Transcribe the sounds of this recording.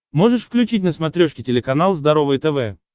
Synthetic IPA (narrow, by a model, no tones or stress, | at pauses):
mo̞ʐɨʂfklʲʉt͡ɕitʲnəsmɐt̪ɾʲoʂkʲɪtʲɪlʲɪkɐnalˠzd̪ɐɾo̞vɨjt̪ɛvɛ